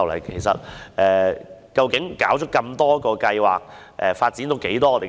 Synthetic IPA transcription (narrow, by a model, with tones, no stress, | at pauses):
wlɐ̰˨˩jkʰe˨˩jsɐ̰˨t̚ʔɛː˨˧kɐ˧wkɪ˨˥ŋkaː˨˥wt͡ʃʰɵ˥t̚kːɐ˧mt̪ɔː˥kɔː˧kɐ˧jwa̰ː˨k̚ʔɛː˨faː˧t̚t͡si˨˥nt̪o˧wke˨˥jt̪ɔː˥ɔ˨˧t̪e˨˩